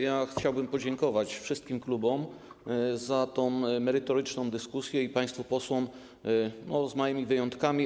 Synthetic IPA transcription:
jaxt͡ɕawbɘmpɔd͡ʑɛŋkɔvat͡ɕfʂɘst̪kʲimklubɔm | zat̪ɔ̃w̃mɛɾɘt̪ɔɾɘt͡ʂnɔ̃w̃d̪ɘskusʲjɛipaj̃st̪fupɔswɔm | nɔzmɔjɘmʲivɘjɔnt̪kamʲi

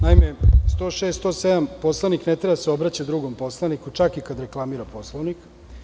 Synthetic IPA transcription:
naimest̪oʃeːst̪oːsed̪ampo̞slˠaʋniknet̪ɾebaseo̞bɾat͡ɕad̪ɾuɡompo̞slˠanikut͡ʃakikad̪ɾeklˠamiɾapo̞slˠoʋnik

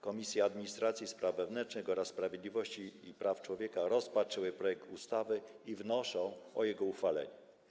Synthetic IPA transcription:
kɔmʲisʲjɛad̪mʲiɲist̪ɾat̪sʲjispɾʔavːɛvnɛnt͡ʂnɘxɔɾasːpɾavʲjed̪lʲivɔɕt͡ɕiːpɾaft͡ʂwɔvʲjɛkaɾɔspat͡ʂɘwɘpɾɔjɛk̚t̪ust̪avɘivnɔʂɔ̃w̃ɔjɛɡɔuxfalɛ̰ɲɛ

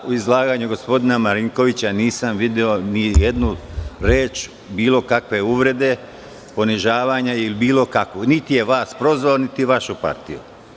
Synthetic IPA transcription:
uizlˠaːɡaːɲuɡo̞spo̞d̪inamaɾiŋko̞ʋit͡ɕaniːsamʋid̪eo̞nijed̪nuɾe̞ːt͡ʃ | biːlˠo̞kakʋe̞uʋɾe̞d̪e̞ | po̞niʒaːʋaːɲailibiːlo̞kakʋunit̪ije̞ʋaːspɾo̞zʋalonit̪iʋaʃupa̰ɾt̪ḭjṵ

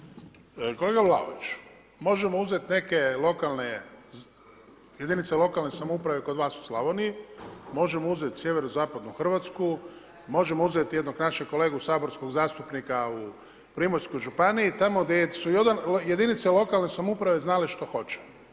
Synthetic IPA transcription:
ko̞leɡavlˠa̰o̰ʋit͡ʃ | mo̞ʒemo̞uzet̪ne̞ke̞lˠo̞kalˠne̞ | jed̪init̪selo̞kalne̞samoupɾaʋe̞ko̞d̪ʋaːsu̥slˠaʋonimo̞ʒe̞mouzet̪sjeʋeɾozaːpad̪nuxr̩ʋat̪sku | mo̞ʒe̞mouzet̪jed̪noɡnaʃeko̞le̞ːɡusaːbo̞ɾsko̞ɡzaːst̪upnikau | pɾimoɾskojʒupaniit̪amo̞ɡd̪esuiod̪anje̞d̪init̪selˠo̞kalnesamupɾaʋeznaleʃt̪o̞xo̞t͡ʃe̥

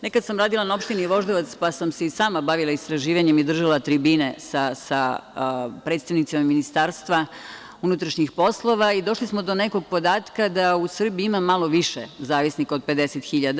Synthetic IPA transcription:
nekad̪samɾaːd̪ilˠanao̞pʃt̪iniʋo̞ʒd̪oʋat̪spasamseisaːmabaʋilaist̪ɾaʒiːʋaɲemid̪r̩ʒalˠat̪ɾibinesasa | pɾet̪st̪aʋnit̪simamːinist̪aːɾst̪ʋa | unut̪ɾaʃɲixpo̞slˠo̞ʋaid̪o̞ʃlismo̞d̪o̞neko̞ɡ̚po̞d̪aːt̪kad̪ausr̩biimamalo̞ʋiʃḛzaːʋisniko̞d̪̚pe̞d̪e̞set̪xiʎad̪

